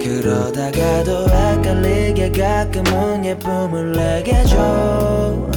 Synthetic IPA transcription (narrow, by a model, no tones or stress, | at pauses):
kɯɾɔd̪aɡad̪oakalːeɡeɡakɯmoɲɛpːomɯlːɛɡɛd͡ʑɔ